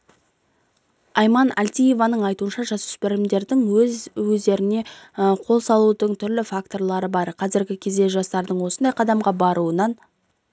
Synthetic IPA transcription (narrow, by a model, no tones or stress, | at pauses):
ɑjmɑna̰lʲt̪ʲije̞vɑnəɴɑjt̪uənʃɑʒɑsʏ̥spɪɾɪmd̪e̞ɾd̪ɪŋwɵzwɵzd̪e̞ɾɪne̞əqʰo̞lˠsɑlˠud̪əɴt̪ʰʏɾlɪfak̚t̪o̞rlˠɑɾəbɑɾqʰɑzɪɾɡʲɪkʲʰe̞zd̪e̞ʒɑst̪ɑɾd̪əɴwo̞sənd̪ɑjqʰɑd̪ɑmʁɑbɑɾuənɑn